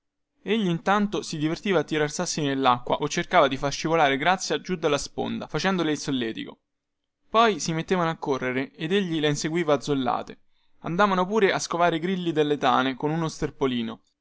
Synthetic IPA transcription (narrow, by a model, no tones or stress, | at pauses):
eʎːiːnt̪ant̪osid̪ivert̪iːvaːt̪ːiɾarsarsinelːakːwa̰ʔot͡ʃːerkaːvad̪ifarʃivolaːɾeɡɾat̪sːjad͡ʒud̪ːalːaspo̰nd̪a̰fat͡ʃɛnd̪oleilsolːɛːt̪iko̰ | pɔjsimet̪ːeːvanoakːorːeɾeed̪eʎːileinseɡwiːvaːd̪zolːa̰ːt̪e | a̰nd̪aːvanopuːɾeʔaskovaːɾeɡɾilːid̪elːet̪a̰ːnekonunost̪erpoliːno